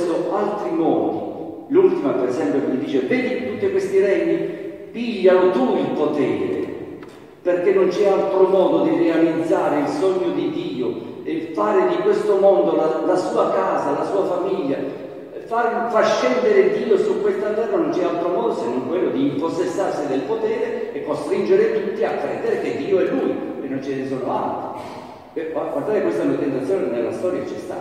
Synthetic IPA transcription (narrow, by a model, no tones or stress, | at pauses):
nʊalt̪ɾimɔːd̪i | lult̪imapeɾezɛmpjokɪlid̪iːt͡ʃevɛːd̪it̪ːut̪ːikwest̪iɾɛɲːi | piʎːanʊt̪uilpot̪ɛ̰ːɾɪ̰ | perkenːʊnt͡ʃɛalt̪ɾʊmɔːd̪ʊd̪irealid̪zaːɾɪilsɔɲːʊd̪id̪iːoefaːɾɪd̪ikwest̪omɔnd̪olalasuːakaːzalasuːafamiʎːa̰ | farfaʃɛnd̪eɾɪd̪iːosukwest̪ant̪ɛrnanont͡ʃɛalt̪ɾomɔːd̪osenːoŋkwelːod̪iːmposesːarsid̪elpot̪ɛːɾeːkːost̪ɾind͡ʒeɾɪt̪ut̪ːiakːɾɛ̰ːd̪eɾek̟ed̪ːiːoɛlːṵjenːont͡ʃɪnɪs̬ɔːnoa̰lt̪ɾi | aɡwaɾt̪aːɾɪkwest̪amlat̪ent̪at̪sːjɔːnnelːa̰st̪ɔːɾjat͡ʃɛst̪a̰